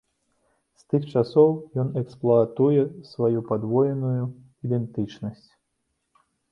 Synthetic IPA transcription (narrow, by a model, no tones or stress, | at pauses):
st̪ɨxt͡ʂasɔwjɔnɛksplˠɔat̪ujɛsvajupad̪vɔjɛnuju | id̪ɛnt̪ɨt͡ʂnɐsʲt͡sʲ